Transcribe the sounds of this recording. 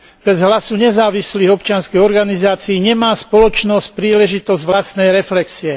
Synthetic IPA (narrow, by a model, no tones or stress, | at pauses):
b̥ɛzɦlasuɲɛzaːʋisliːɣɔpt͡ʃɪanskɛjɔɾɡanizaːt͡siːɲɛmaːspɔlɔt͡ʃnɔsc̚pɾiːlɛʒit̪ɔzɟʋlast̪nɛjɾɛflɛksiɛ